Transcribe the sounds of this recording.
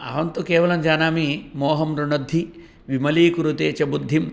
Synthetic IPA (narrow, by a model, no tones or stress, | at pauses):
a̰ːʋɐnt̪ukeːʋɐlɐmd͡ʒaːnaːmimoːɦɐmɾuɳɐd̪ʱːi | ʋimɐliːkuɾut̪eːt͡ʃɐbud̪ʱːim